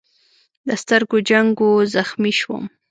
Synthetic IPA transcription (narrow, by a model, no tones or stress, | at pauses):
d̪əst̪əɾɡod͡ʒaŋɡozaxmiʃwə̰m